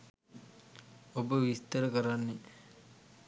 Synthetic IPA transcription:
obəʋist̪əɾəkəɾanːe

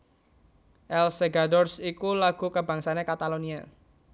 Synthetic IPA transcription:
ʔɛlseɡadɔrsikulaɡ̥ṳkəbäŋsanekat̪alonia

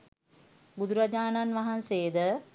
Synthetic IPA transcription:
bud̪uɾad͡ʒaːnanʋaɦanseːd̪ə

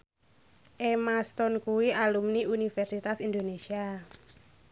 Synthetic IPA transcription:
ʔemast̪ɔnkuwialumniunifɛrsit̪asind̪onesia

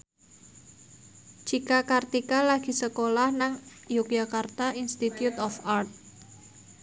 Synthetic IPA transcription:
d͡ʒikakart̪ikalaɡ̥i̤səkolahnaŋjuk̚d͡ʒakart̪aʔinst̪it̪jut̪ɔfart̪̚

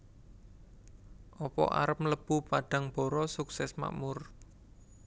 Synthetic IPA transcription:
ʔɔpɔ̰ʔa̰ɾəp̚ləb̥ṳpaɖ̥a̤ŋb̥ɔ̤ɾɔsuksɛsma̰ʔmʊr

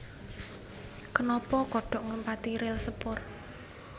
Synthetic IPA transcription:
kənɔpɔkɔɖ̥ɔ̤ʔŋləmpat̪iɾɪlsəpʊr

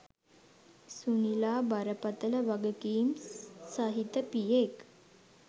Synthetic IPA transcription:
sunilaːbɐɾəpɐt̪əlɐʋɐɡəkiːmsaɦit̪ːəpijek

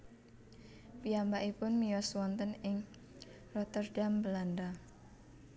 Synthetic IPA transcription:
piambaʔipʊnmiɔswɔnt̪ənɪŋ | rɔt̪ərdambəlanda

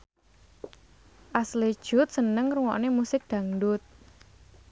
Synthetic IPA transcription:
ʔasled̥ʒ̥ʊ̤t̪̚sənəŋruŋɔ̰ʔnemusɪk̚d̪̥ä̤ŋdʊt̪̚

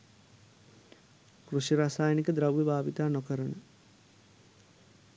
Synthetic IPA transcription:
kruʃiɾaːsaːjənikəd̪ɾawjəbaːʋit̪aːnokəɾənə

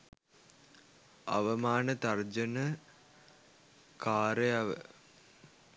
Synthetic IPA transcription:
ɐ̰ʋɐmaːnɐt̪ɐrd͡ʑɐnɐ | kaːɾejɐʋə̰

